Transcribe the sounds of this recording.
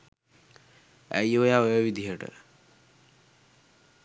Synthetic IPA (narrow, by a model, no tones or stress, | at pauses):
æjojaojəʋid̪iɦəʈə̰